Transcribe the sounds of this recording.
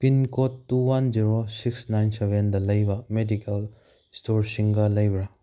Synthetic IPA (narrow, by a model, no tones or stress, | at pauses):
pinkotːuwand͡ʒiɾosiksnajnsebendɐlɐjbɐmedikel | stoɾsiŋɡɐlɐjbɾa